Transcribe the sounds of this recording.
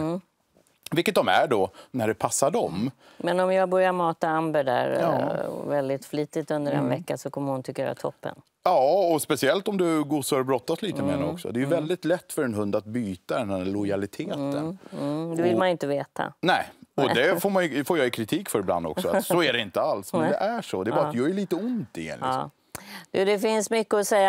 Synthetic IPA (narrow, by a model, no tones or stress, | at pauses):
vɪkːət̪̚d̪ɔmæ̰ɖɔnæɖɛpʰasːaɖɔm | mɛnɔmjɑːɡbœɾjamɑːt̪aambəɖ̪æ̰ɾɑ̰ːvɛld̪ɪt̪fliːt̪ɪt̪ɵnd̪əɾɛ̰nvɛkːasɔkʰɔmːəhʊnt̪ʰɪkːajø̰ːɾa̰t̪ʰɔ̰pːə̰n | jɑːɔspɛsɪɛlt̪ɔmd̪ɵɡusəɑɾbɾɔt̪ːasliːt̪əmḛːnɛɔksɔ̰d̪ɛjɵvɛld̪ɪt̪lɛt̪ːfœɾɛnɦɵnd̪at̪̚byːt̪ad̪ɛnælɔjalɪt̪ʰeːt̪ə̰nd̪ɛvɪlmanɪnt̪əveːt̪ʰa̰nɛɪɔd̪ɛfoːɾmanjfoːjɑjɪkʰɾɪt̪ʰiːkfœɾɪbla̰nd̪ɔ̰ksɔasɔæɖɛɪnt̪əalsmɛɛnd̪ɛʔæʂɔd̪ɛɑːɾat̪jɑɛɭiːt̪əʊnt̪ɪ̰ɛ̰nʔ | d̪ʉd̪ɛfɪnsmʏkːəɔsɛjːa